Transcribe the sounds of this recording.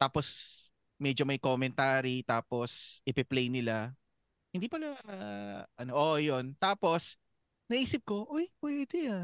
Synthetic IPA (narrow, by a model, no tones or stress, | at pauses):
t̪aːpos | mɛd͡ʒomɐjkomɛnt̪aːɾit̪aːposʔɪpɪplɛjnɪla | hɪnd̪iːpɐla | ʔɐnoʔoʔjont̪aːpo̞s | nɐʔiːsɪp̚ko̞ʔojpwɛːd̪ɛja